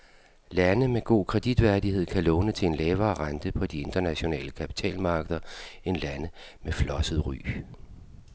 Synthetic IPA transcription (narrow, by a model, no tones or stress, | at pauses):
lænəmeɡ̥o̝̰ːkʰʁɛd̥id̥ʋæɐd̥ihe̝ð̞̰ˠkʰælɔ̽ːnət͡sʰe̝e̝nlɛːʊɐːʁɑnd̥əpʰɒ̽d̥ie̝nd̥ɐnæɕo̝nɛ̰ːləkʰæpʰi̥t͡sʰɛ̰ːlmɑ̈ːɡ̥əðˠɐe̝nlænə | meflɒ̽səð̩ˠʁy̰ː